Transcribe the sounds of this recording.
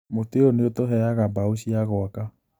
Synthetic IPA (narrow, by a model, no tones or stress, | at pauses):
moteoneotoɦɛjaɣabaoʃiaɣɔaka